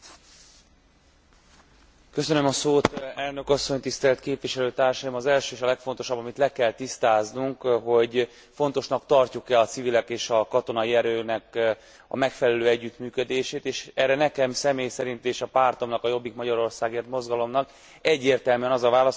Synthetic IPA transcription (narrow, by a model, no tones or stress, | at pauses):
kø̞sønømɒsoːt̪ɛlnøkɒsːo̞ɲt̪ist̪ɛlt̪keːpʋiʃɛløːt̪aːrʃɒjimɒzɛlʃøːeːʃɒlɛkfo̞nt̪o̞ʃɒbːɒmit̪lɛkɛlt̪ist̪aːznuŋkɦo̞ɟ | fo̞nt̪o̞ʃnɒkt̪ɒrcukɛɒt̪sivilɛkeːʃɒkɒt̪o̞nɒiɛɾøːnɛk | ɒ̰mɛkfɛlɛløːɛɟːyt̪myːkød̪eːʃeːt̪eːʃɛrɛnɛkɛmsɛmeːjsɛɾint̪eːʃɒpaːrt̪o̞mnɒkɒjo̞bːikmɒɟɒɾo̞rsaːɡeːrt̪mo̞zɡɒlo̞mnɒk | ɛɟːeːrt̪ɛlmyɛnɒzɒvaːlɒs